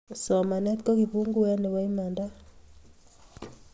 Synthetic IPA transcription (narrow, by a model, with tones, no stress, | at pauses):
sɔ˨ma˨nɛ˦t̪kɔ˦ki˨bu˦ŋɡu˦a˦nɛ˨wa˦i˦ma˨nda˦